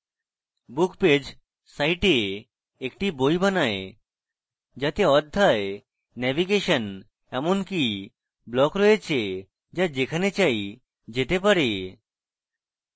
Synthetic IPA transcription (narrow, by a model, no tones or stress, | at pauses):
bukped͡ʑ | sajʈe | ekʈibojbanae | d͡ʑat̪eɔd̪ʱːae | nɛbiɡeʃən | ɛmonki | blɔkɾɔet͡ɕʰe | d͡ʒad͡ʑekʰanet͡ɕai | d͡ʑet̪epaɾe